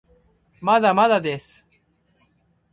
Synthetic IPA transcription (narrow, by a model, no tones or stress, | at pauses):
maðamaðad̪es